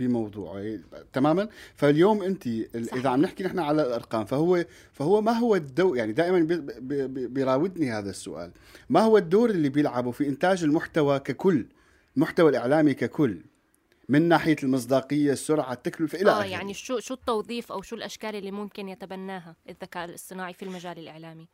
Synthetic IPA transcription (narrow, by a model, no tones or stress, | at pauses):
bɪmɑwðˤṵːʕt̪amaːmanfaljoːmʔɪnt̪iʔʔɪðaʕamnɪħkinɪħnaʕalalʔɑɾˤqɑːmfahʊwːe | fahʊwːamaɦʊwːad̪ːoːjaʕnid̪aːʔɪmanbɪbbɪjɾˤɑːwɪd̪nihaːðasːʊ̰ʔa̰ːl | mahʊwːad̪ːoːɾʔɪlːibjɪlʕabufiʔɪnt̪aːd͡ʒɪlmʊħt̪awakakʊlː | lmʊħt̪awalʔɪʕlaːmikakʊlː | mɪnːaːħɪjalmɨs̬ˤd̪ɑːqɨjːasːʊɾʕat̪ːaklʊfaʔɪaʔʔajaʕniʃuːʃuːt̪ːɑwðˤiːfʔawʃuːlʔaʃkaːlʔɪlːimʊmkɪnjat̪abanːaːɦaʔɪðːakaːʔɪlɨsˤɨnaːʕifilmad͡ʒaːlɪlʔɪʕlaːmi